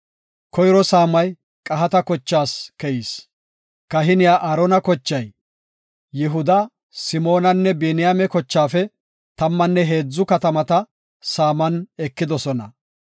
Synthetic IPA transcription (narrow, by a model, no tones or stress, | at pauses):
kɔjɾɔsaːmɐj | kʼɐɦɐt̪ɐkɔt͡ʃːaːskɛjis | kɐɦɪnɪjaːʔɐɾɔnɐkɔt͡ʃːɐj | jɪɦʊd̪ɐ | sɪmo̞ːnɐnːɛbinɪjaːmɛkɔt͡ʃːaːfɛ | t̪ɐmːɐnːɛɦe̞ːd͡zːʊkɐt̪ɐmɐt̪ɐ | saːmɐnɛkːɪd̪ɔsɔnɐ̰